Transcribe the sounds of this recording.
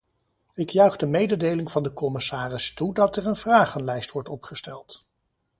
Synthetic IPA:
ɪkjœɥχdəmejdədejlɪŋvɑndəkɔmɪsaːrɪstudɑtɛɹənvraːχənlɛjstʋɔɹtɔpχəstɛlˠt

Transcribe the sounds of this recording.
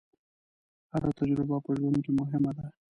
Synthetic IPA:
had̪at̪ad͡ʒɾɪbapəʒwand̪kemʊɦɪmad̪a

